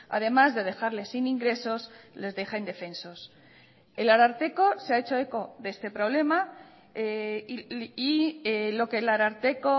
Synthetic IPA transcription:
a̰ð̞e̞mazðe̞ð̞e̞xaɾle̞siniŋɡɾe̞so̞sle̞zðe̞xand̪e̞fe̞nso̞s | e̞laɾaɾt̪e̞ko̞seae̞t͡ʃo̞e̞ko̞ðe̞st̪e̞pɾo̞β̞le̞ma | ielo̞ke̞laɾaɾt̪e̞ko

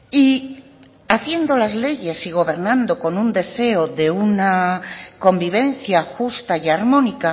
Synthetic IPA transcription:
i | aθje̞nd̪o̞lazle̞ʝe̞siɣ̞o̞β̞e̞ɾnãnd̪o̞ko̞nund̪e̞se̞oðe̞unako̞mbiβ̞e̞nθjaxust̪ajaɾmõ̞nika

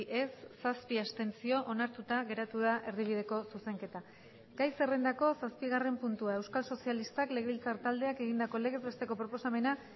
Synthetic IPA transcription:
ʔe̞sːaspiast̪e̞nt͡sio̞ʔonaɾt̪ut̪aɣe̞ɾat̪uð̞aʔe̞ɾðiβ̞ið̞e̞ko̞suse̞ŋke̞t̪a | ɡ̥ajse̞re̞nd̪ako̞saspiɣare̞mpunt̪uae̞wskalso̞sialist̪akle̞ɣeβilt͡saɾt̪ald̪e̞ake̞ɣ̞ind̪ako̞le̞ɣe̞zβe̞st̪e̞ko̞pɾo̞po̞same̞na

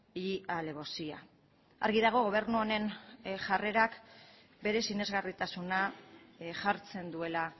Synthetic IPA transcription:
iale̞βo̞sia̰ | a̰ɾɣiðaɣ̞o̞ɣ̞o̞β̞e̞ɾnuone̞nʝare̞ɾak | be̞ɾe̞sine̞zɣarit̪asuna | ʝaɾt͡se̞nd̪ue̞la

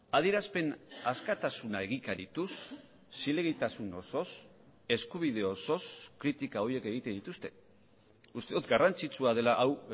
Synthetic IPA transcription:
að̞ieɾaspe̞naskat̪asunae̞ɣikaɾit̪usː | ile̞ɣit̪asuno̞so̞s | e̞skuβ̞ið̞e̞oso̞skɾit̪ikao̞ɾje̞ke̞ɣ̞it̪e̞nd̪it̪ust̪e̞̥ | ust̪e̞ðut̪ɡarant͡sit͡suað̞e̞laʔaw

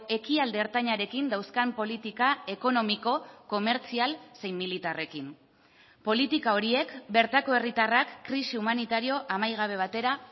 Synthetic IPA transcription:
e̞kiald̪eːɾt̪aɲaɾe̞kind̪awskampo̞lit̪ikae̞ko̞no̞miko̞ko̞me̞ɾt͡sialse̞jmːilit̪are̞kim | po̞lit̪ikao̞ɾie̞kbe̞ɾt̪ako̞e̞rit̪arakːɾisiumanit̪aɾio̞ʔamajɣ̞aβ̞e̞β̞at̪e̞ɾa

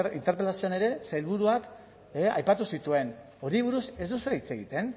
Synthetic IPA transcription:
ḭnt̪e̞ɾpe̞lasioane̞ɾe̞sajlβuɾuak | a̰jpat̪usit̪ue̞n | o̞ɾiβ̞uɾuse̞zd̪usuɾait͡se̞ɣit̪e̞n

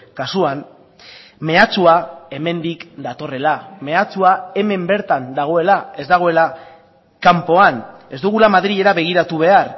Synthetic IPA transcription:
kasuan | me̞at͡suae̞me̞nd̪ikd̪at̪o̞re̞lame̞at͡suae̞me̞mbe̞ɾt̪and̪aɣ̞o̞e̞lae̞zd̪aɣ̞o̞e̞la | kampo̞ane̞zd̪uɣ̞ulamaðɾiʎe̞ɾaβe̞ɣ̞iɾat̪uβ̞e̞ar

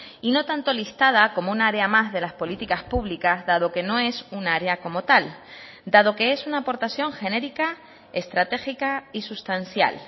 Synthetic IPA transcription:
ino̞t̪ant̪o̞list̪að̞ako̞mounaaɾeamazðe̞laspo̞lit̪ikaspuβlikazðað̞o̞ke̞no̞e̞sunaaɾeako̞mo̞t̪al | d̪að̞o̞ke̞e̞sunaːpo̞ɾt̪aθjo̞ŋxe̞ne̞ɾika | e̞st̪ɾat̪e̞xikaisust̪anθja̰l

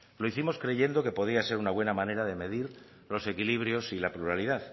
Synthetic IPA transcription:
lo̞iθimo̞skɾe̞ʝe̞nd̪o̞ke̞po̞ð̞iase̞ɾunaβwe̞namãne̞ɾaðe̞me̞ðiɾ | lo̞se̞kiliβ̞ɾjo̞silapluɾaliðað

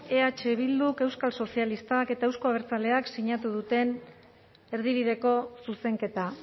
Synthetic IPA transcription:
e̞at͡ʃe̞βild̪uke̞wskalso̞sialist̪ake̞t̪ae̞wsko̞aβ̞eɾt͡sale̞aksiɲat̪uð̞ut̪e̞n | e̞ɾð̞iβ̞iðe̞ko̞suse̞ŋke̞t̪a

